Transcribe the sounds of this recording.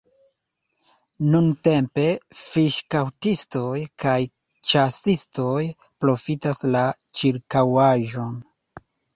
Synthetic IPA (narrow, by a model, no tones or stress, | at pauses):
nunte̞mpe̞fiʃkawtisto̞jkʰaj | t͡ʃasisto̞j | pɾo̞fitasla | t͡ʃiɾkawaʒo̞n